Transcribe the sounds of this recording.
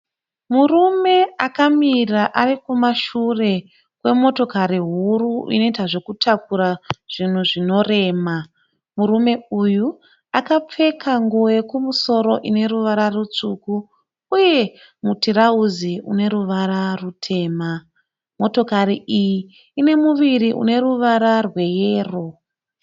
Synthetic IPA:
murume̞akamiraʔarikumaʃure̞ | kwe̞mo̞to̞kaɾiɦuruḭno̞itaʐo̞kutʰakuɾaʐ̥in̤uʐino̞re̞ːma | muɾume̞uju | akap͡fe̞kʰaŋɡujekumuso̞ɾo̞ʔine̞ɾuʋaɾarut͡ʂukuː | je̞ | mutiɾauziṵne̞ɾuʋaɾarutʰe̞ːma | mo̞to̞kaɾiʔijiː | ne̞muʋiriʔṵne̞ɾuʋaɾarwe̞jeːro̞

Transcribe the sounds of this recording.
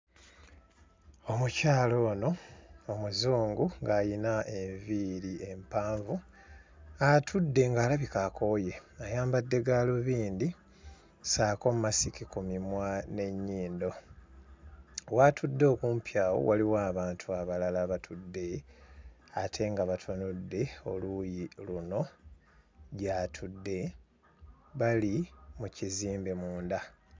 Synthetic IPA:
o̞mucaːlo̞ːno̞omuzuːŋɡuŋɡaːjinaʔe̞ɱviɾie̞mpaːɱvu | atʰudːe̞ŋɡaːlaβikako̞je̞ajaːmbadːe̞ɡaːloβiːnd̪i | saːko̞mumasikikumimwane̞ɲːiːndo̞ | watʰudːo̞ːkuːmpʰjaːwo̰waliwaːβaːntʰuaβalalaβatʰudːe̞ | atʰe̞ŋɡaβatʰanudːe̞o̞lujiluno̞ | ɟaːtʰudːe̞ | βalimuciziːmbe̞muːnda

